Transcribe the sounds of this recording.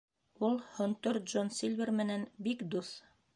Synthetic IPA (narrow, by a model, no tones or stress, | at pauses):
ulˠhŏnt̪oɾʒonsilʲvʲɘrmɘ̆nænbikd̪uθ